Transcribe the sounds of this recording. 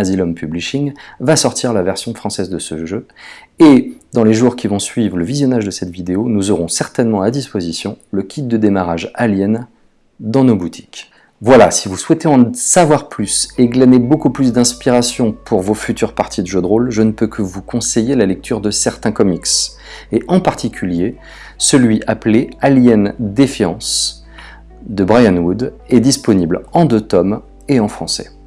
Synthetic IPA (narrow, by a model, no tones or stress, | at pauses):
azilɔmpybliʃiŋvasɔʁt̪ʰiʁlavɛʁsjɔ̃fχɑ̃sɛzd̪əsəʒøed̪ɑ̃leʒuʁkʲivɔ̃sɥivʁələvizjɔnaʒd̪əsɛt̪vid̪eonuzɔʁɔ̃sɛʁt̪ɛnmɑ̃ad̪ispozisjɔ̃ləkʲit̪̚d̪əd̪emaʁaʒaljɛn | d̪ɑ̃nobut̪ʰi̥k | vwalasivuswɛt̪eɑ̃savwaʁplyseɡlanebokuplys̬d̪ɛ̃spiʁasjɔ̃pʰuʁvofyt̪yʁpaʁt̪ʰid̪əʒød̪ʁolʒənəpøkʰəvukʰɔ̃sejelalɛk̚t̪ʰyʁd̪əsɛʁt̪ɛ̃kɔmiks | eʔɑ̃paʁt̪ʰikʲʰylje | səlɥiʔaplealjɛnd̪efjɑ̰̃s | d̪əbʁajanwud̪ɛd̪ispɔniblɑ̃d̪øt̪ɔm | eɑ̃fχɑ̃sɛ̥̰